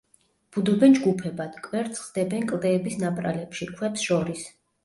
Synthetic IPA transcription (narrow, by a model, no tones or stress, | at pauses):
b̥ud̪ɔbɛnd͡ʒɡupʰɛbad̪̥kʼwɛɾt̪sʰχzd̪ɛbɛnkʼlˠd̪ɛːbisnapʼɾa̰lɛpʃikʰwɛpsʃɔɾis